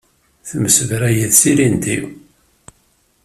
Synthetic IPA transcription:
θməsəvɾæjəðsiɾind̪ḭw

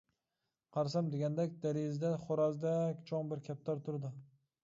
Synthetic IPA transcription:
qʰɑɾsamd̪eɡʲand̪akʲd̪aɾezd̪aχoɾazd̪akʲt͡ʃʰoŋbɪɾkʲʰap̚t̪ʰaɾt̪ʰʊɾd̪ɪ

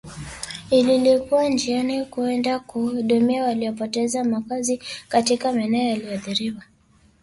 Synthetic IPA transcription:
ililikuwand͡ʒianikuɛndakuɗɔmɛawaliɔpɔtɛzamakazikatikamanɛɔjaliɔðiɾiwa

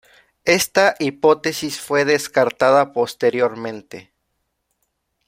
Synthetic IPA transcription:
e̞st̪aʔipo̞t̪e̞sisfwe̞ðe̞skaɾt̪aðapo̞st̪e̞ɾjo̞ɾmẽnt̪e̞

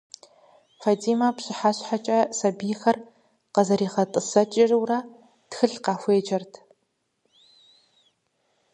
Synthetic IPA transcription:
fɐdiːmɐpɕʼɪħaːɕħat͡ʃʼɐsɐbijxɐr | qɐzɐɾiːχɐtʼɨsɐt͡ʃʼɪrɨwrɐ | txɨɬqɑːxʷeːd͡ʒɐrtʰ

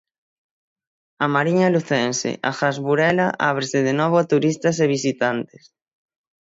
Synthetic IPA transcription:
amaɾiɲaluθɛnsḛʔa̰xazβuɾɛlaʔa̰β̞ɾesɪðenɔβ̞ʊat̪uɾist̪ɐs̬eβ̞isit̪ant̪e̥s

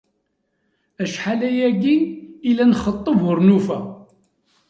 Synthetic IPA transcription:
æʃħalæjæɡiːlænχət̪ˤːəvʊɾnufæ

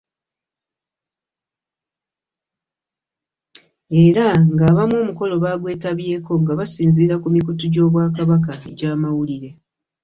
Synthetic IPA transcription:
e̞ɾaŋɡaːβamo̞ːmuko̞lo̞βaːɡwe̞ːtaβje̞ːko̞ŋɡaβasiːnziːɾakumikutuɟo̞ːβwaːkaβak̬aḛɟaːmawuliɾe̞

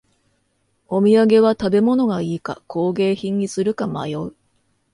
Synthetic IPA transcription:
o̞mʲiaɡe̞βat̪abe̞mo̞no̞ɡaiːka̰kʰo̞ːɡe̞ːçĩɲ̟ːisɨɾɯ̟kama̰jo̞ɯ

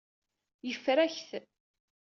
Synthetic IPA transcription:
jəfːɾæçθ

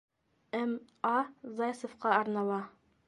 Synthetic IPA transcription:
æm | ɑzɑjsŏfqɑɑɾnɑlˠɑ

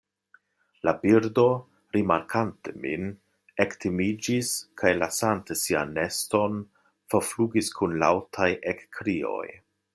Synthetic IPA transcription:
labiɾdo̞ | ɾimaɾkʰantemḭn | ektʰimid͡ʒiskʰajlasantesia̰nːe̞sto̞n | foɾfluɡiskʰunlawtʰajʔekːɾio̞̰j

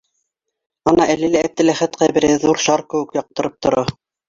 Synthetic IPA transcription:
ɑnɑʔælilæːb̚t̪ɘ̆læχæt̪qɑjbɘ̆ɾɘðuɾʃɑɾkɘ̆wɘ̆kjɑq̚t̪ɤ̆ɾɤp̚t̪ŏɾɑ

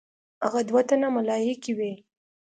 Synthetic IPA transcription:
haɣad̪wat̪anamalɑjekiwe

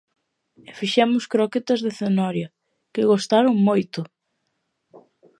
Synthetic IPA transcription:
efiʃɛmʊskɾoket̪ɐzðeθenɔɾjɐ | kɪɣost̪aɾʊŋmojt̪ʊ

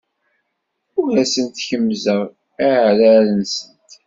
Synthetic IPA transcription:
ʊɾæsənt̪çəmzəʁ | æʕlælənsənt̪

